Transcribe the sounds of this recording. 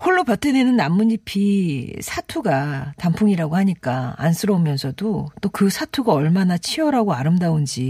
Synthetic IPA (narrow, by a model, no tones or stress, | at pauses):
hoɭːopjʌt͈ʰenenɯnːamːunipʰisʰatʰuɡatampʰuŋiɾaɡohaɲik͈a̰a̰ns͈ʰɯɾʌumjʌnsʰʌdot͈okɯsʰatʰuɡaʌɭmanat͡ɕʰiʌɾaɡoaɾɯmdaond͡ʑi